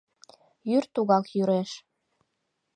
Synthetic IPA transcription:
jyrt̪uɣɑkjyɾeʃ

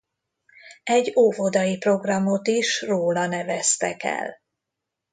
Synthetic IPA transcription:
ɛɟːoːvod̪ɒjipro̞ɡrɒmo̞t̪iʃroːlɒnɛvɛst̪ɛkɛ̰l

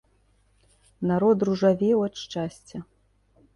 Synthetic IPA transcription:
naɾɔt̪ruʐavʲɛwɐt̪ʂt͡ʂasʲt͡sʲɐ

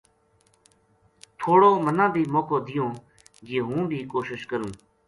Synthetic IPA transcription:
t̪ʰoːɽoːmənãːb̪ʱiːmoːkoːd̪ɪjõː | jeːɦũːbʱiːkoːʃɪʃkəɾũː

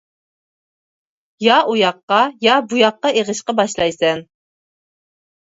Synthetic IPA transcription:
jɑʔujɑqːɑjɑbujɑqːɑeʁəʃqɑbɑʃlˠɑjsɛn

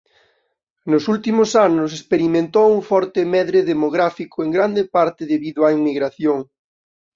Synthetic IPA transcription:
nʊsult̪imʊsanʊs̬espeɾimẽnt̪owuŋfɔɾt̪ɪmɛðɾeðemoɣɾafikʰʊeŋɡɾand̪epaɾt̪ɪðeβiðʊaiŋmiɣɾaθjoŋ

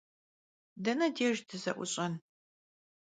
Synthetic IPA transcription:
dɐnɐdeːʒdɨzɐʔʷʊɕʼɐn

